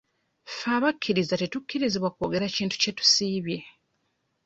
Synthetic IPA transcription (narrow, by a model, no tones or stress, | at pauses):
faːβakʰːiɾizatetukːiɾiziβwako̞ːɡe̞ɾaciːntu̥ce̞tu̥siːβje̞